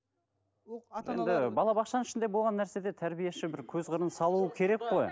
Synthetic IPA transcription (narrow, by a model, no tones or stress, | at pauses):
je̞̰nd̪ɪbɑlˠɑbɑqʃɑnəɪʃɪnd̪e̞bo̞lˠʁɑnːæɾse̞d̪e̞t̪ʰæɾbije̞ʃɪbɪɾkʲʰɵzʁəɾənsɑlˠuəkʲʰe̞ɾe̞kqo̞j